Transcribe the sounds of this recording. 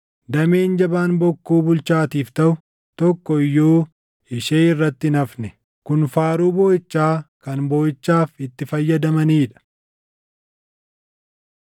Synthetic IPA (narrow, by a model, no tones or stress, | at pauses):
d̪ɐmeːnd͡ʒɐbaːnbɔkːuːbʊlt͡ʃaːt̪iːft̪ɐʔʊ | t̪ɔkːɔɪjːoː | ɪʃeːɪrːɐt̪ːɪɪnɐfnɛ | kʊnfaːɾuːboːɪt͡ʃːaːkɐnboːɪt͡ʃːaːfɪt̪ːɪfɐjːɐd̪ɐmɐniːᶑɐ̥